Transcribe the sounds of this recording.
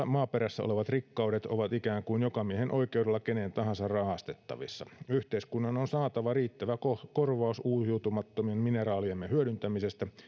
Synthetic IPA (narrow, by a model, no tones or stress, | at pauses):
mɑːpeɾæsːæ̰o̰leʋɑt̪rikːɑudet̪oʋɑt̪ikæːŋkuinjokɑmiehenʔo̞ike̞uwdelːɑkenent̪ɑɦɑnsɑrrɑhɑst̪et̪ːɑ̰ʋisːɑ̰yht̪eiskunːɑnonsɑːt̪ɑʋɑriːt̪ːæʋækokorʋɑusuːsiut̪umɑt̪ːomiemminerɑːliemːehyøɾynt̪æmisest̪æ